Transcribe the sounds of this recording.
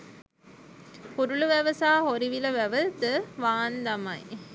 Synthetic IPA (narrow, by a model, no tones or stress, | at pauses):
puɾuluʋæʋəsaːɦoɾiʋilɐʋæʋəd̪əʋaːnd̪ɐmɐj